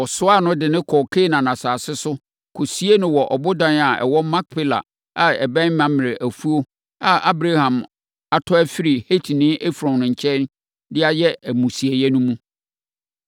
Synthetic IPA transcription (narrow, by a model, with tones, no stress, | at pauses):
ɔ˨sʊ˦a˦˨nʊ̃˦dɪ˨nɪ̃˦kʰɔ˨kʰe˦˨nã˨nã˨saː˨sɪ˦sʊ˦ | kʰo˨si˦e˦nʊ̃˦wɔ˨ʔɔ˨bʊ˦dã˦na˨ɛ̰˨wɔ˦mã˦k̚pʰɪ˦la̰˨ | a˨ɛ̰˨bɛ̃˦mã˨m˨ɾɪ˨ʔæ˨fu˦o˦ | a˨a˦bɾa˦hã˨m | a˨tʰɔ˦æ˦fi˦ɾi˨he˦tʰi˨nɪ̃˦ʔe˦fɾɔ̃˨nʊ̃˨ɲ̩˨t͡ɕʰɛ˦n˦ | dɪ˦a˦jɛ˦æ˨mũ˨si˨e˨jɛ˦nũ˦mũ˦